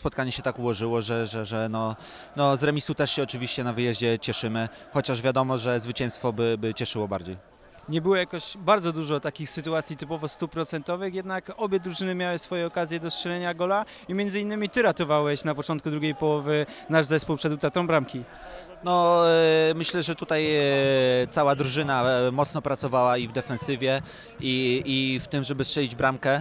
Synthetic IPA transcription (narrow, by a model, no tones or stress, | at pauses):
spɔt̪kaɲɛɕɛt̪akuwɔʐɘwɔʐɛʐɛʐɛnɔ | nɔzɾɛmʲisut̪ɛʂɕɛɔt͡ʂɘvʲiɕt͡ɕɛnavɘjɛʑd͡ʑɛt͡ɕɛʂɘmɘ | xɔt͡ɕaʐvʲjad̪ɔmɔʐɛzvɘt͡ɕɛ̃w̃st̪fɔbɘbɘt͡ɕɛʂɘwɔbaɾd͡ʑej | ɲɛbɘwɔjakɔɕbaɾd̪zɔd̪uʐɔt̪akʲixsɘt̪uat̪sʲjit̪ɘpɔvɔst̪upɾɔt̪sɛnt̪ɔvɘxjɛd̪nakɔbʲjɛd̪ɾuʐɘnɘmʲjawɘsfɔjɛɔkazʲjɛd̪ɔstʂɛlɛɲaɡɔla | imʲjɛnd̪zɘinːɘmʲit̪ɘɾat̪ɔvawɛɕnapɔt͡ʂɔnt̪kud̪ɾuɡʲejpɔwɔvɘnaʐzɛspuwpʂɛd̪wt̪at̪ɔ̃mbɾamkʲi | nɔ | mɘɕlɛʐɛt̪ut̪aj | t̪sawad̪ɾuʐɘnamɔt̪snɔpɾat̪sɔvawaivd̪ɛfɛ̃nsɘvʲjɛ | iift̪ɘmʐɛbɘstʂɛlʲid͡ʑbɾamkɛ